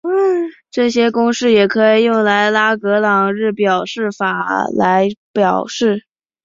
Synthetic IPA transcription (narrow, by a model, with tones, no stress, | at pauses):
ʈ͡ʂɤ˥˩ɕjɛ˥kʊ˥ŋʂɻ̩˥˩jɛ˨˩kʰɤ˧˥i˨˩jʊ˥˩ŋla˧˥ɪla˥kɤ˧˥lɑ˨˩ŋɻɻ̩˥˩pjɑ˨˩ʊʂɻ̩˥˩fa˨˩la˧˥ɪpjɑ˨˩ʊʂɻ̩˥˩